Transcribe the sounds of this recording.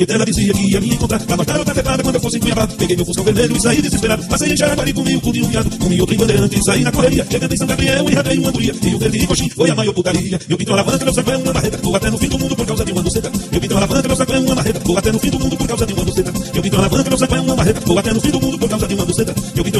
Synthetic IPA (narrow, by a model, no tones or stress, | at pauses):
et̪ɛlɐd̪isiiɐkiiavĩɐ̃ẽkõt̪ɾaɾlamaʒãɾowt̪afepaɾad̪ɐkwɐ̃d̪ewfosĩkwĩɲabad̪ʊpeɡejmewfũsɐ̃wveɾmeʎʊisaid̪izispeɾad̪ʊpasejẽʃaɾakwaɾiɾkõmiɡʊkõũĩũfiad̪ʊkõmĩot̪ɾẽĩvɐ̃d̪eɾɐ̃nt̪ɪsainɐkoheɾiɐkẽẽt̪ẽsɐ̃w̃ɡabɾiɐ̃ewũĩhap̪ɾejũmɐ̃d̪uɾiɐiũɡeɾd̪iikoʃĩojamãjowput̪aɾiɐmewpĩt̪ɐ̃alavɐ̃nt̪ɐmewsekõẽũmɐ̃maɦet̪ɐowat̪ɛnʊfĩd̪ʊmdũd̪ʊpoɾkawzɐd̪ɪũmɐ̃d̪ʊsẽt̪ɐmewpĩt̪ɐ̃alavɐ̃nɐmes̬ẽkõẽũmɐ̃maɦet̪ɐowat̪ɛnʊfĩd̪ʊmũd̪ʊpoɾkwzɐd̪ɪũmɐ̃d̪usẽt̪ɐmewpĩt̪ɐ̃alavɐ̃nt̪ɐmewsẽkõẽũɐ̃maɦet̪ɐowat̪ɛnʊfĩd̪ʊmũd̪ʊpoɾkawzɐd̪ɪũmɐ̃d̪usẽt̪ɐmewpĩt̪